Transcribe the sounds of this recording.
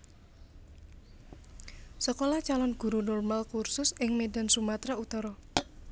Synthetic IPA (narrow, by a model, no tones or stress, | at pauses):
səkolɔht͡ʃalɔnɡ̥ṳɾunulmalkursʊsɪŋmeda̤nsumat̪ɾaut̪ɔɾɔ